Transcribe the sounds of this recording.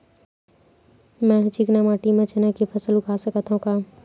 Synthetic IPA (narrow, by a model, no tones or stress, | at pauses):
mɛ̃t͡ʃiknemaːʈimẽt͡ʃənekipʰɐsəlʊkʰaːsəkət̪ʰɦũkaː